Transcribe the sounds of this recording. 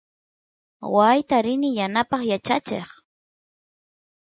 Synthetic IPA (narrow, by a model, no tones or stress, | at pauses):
wajt̪aɾɪnɪjanapɑχjat͡ʃat͡ʃḛχ